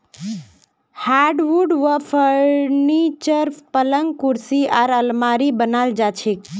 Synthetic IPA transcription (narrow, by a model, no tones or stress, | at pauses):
haɖʋuɖʋəpʰəɾnit͡ʃəɾpələŋɡ̚kuɾsiaɾəlmaːɾibənald͡ʒat͡ʃʰek